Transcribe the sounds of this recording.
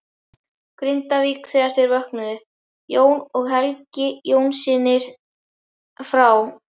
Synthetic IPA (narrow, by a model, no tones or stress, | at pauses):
kɾɪnt̪aviːkθɛːɣaɾ̥θɪɾvœhknʏðʏ | joːwnɔɣɦɛlcɪjoːwnsɪːnːɪɾ̥ | fɾaw